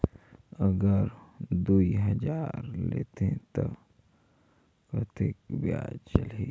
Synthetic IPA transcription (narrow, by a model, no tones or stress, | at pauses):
əɡəɾd̪uiɦəd͡ʒaːɾlḛːt̪ẽt̪o | kət̪ɪkbja̰ːd͡ʒt͡ʃəleː